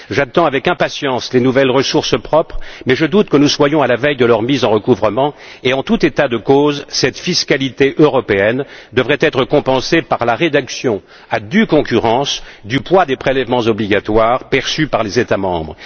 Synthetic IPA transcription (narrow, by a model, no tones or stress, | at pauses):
ʒat̪ɑ̃avɛkɛ̃pasjɑ̃slenuvɛlʁəsuʁsəpχɔpχmɛʒəd̪ut̪kənuswajɔ̃alavɛjd̪əlœʁmizɑ̃ʁəkuvʁəmɑ̃eɑ̃t̪ut̪et̪ad̪əkozsɛt̪fiskalit̪eʔøʁɔpeɛnd̪əvʁɛt̪ɛt̪χəkɔ̃pɑ̃sepaʁlaʁed̪aksjɔ̃ | ad̪ykɔ̃kʲyʁɑ̃sd̪ypwad̪epχelɛvmɑ̃zɔbliɡʲat̪waʁpɛʁsypaʁlezet̪amɑ̰̃bʁə